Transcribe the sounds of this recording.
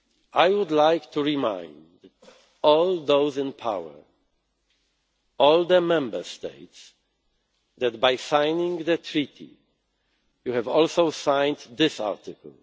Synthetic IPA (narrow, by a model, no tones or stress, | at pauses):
ʔajwʊd̪lajkt̪ʰuɹimã̰j̃nd̪ | ɔld̪oʊzɪ̃npʰa̰wə̰˞ | ɔld̪əmɛ̃mbə˞st̪ḛɪts | d̪ɛt̪bajsãjnĩŋðətʰɹit̪ʰḭ | juhɛvɔlsoʊsãj̃nd̪d̪ɪsa̰ɹt̪ɪkə̰l̩